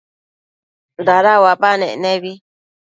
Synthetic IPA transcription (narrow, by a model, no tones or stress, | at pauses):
ndaɾawapanɛ̰nɛbi